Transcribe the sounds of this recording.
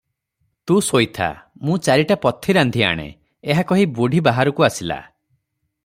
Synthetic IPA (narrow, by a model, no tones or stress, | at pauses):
t̪ũsojt̪ʰa̰mũt͡ʃaɾiʈapɔt̪ʰːiɾand̪ʱia̰ɽ̃ḛ | eɦakɔɦibuɽʱibaɦaɾɔkuasila̰